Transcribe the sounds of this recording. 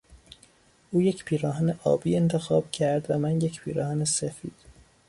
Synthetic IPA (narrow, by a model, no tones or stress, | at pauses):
ʔuːje̞cʰpʰiːɾɒːɦæneʔɒ̰ːbiːe̞nt̪ʰe̞xɒːb̥cʰæɾd̪væmænjecʰpʰiːɾɒːhæːnesefiːd̪̥